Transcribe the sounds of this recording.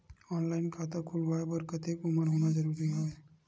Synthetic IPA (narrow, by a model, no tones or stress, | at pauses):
ɔnlainkʰat̪əkʰulʋajbəɾkət̪ekuməɽɦoñad͡zəɾuːɾiaʋe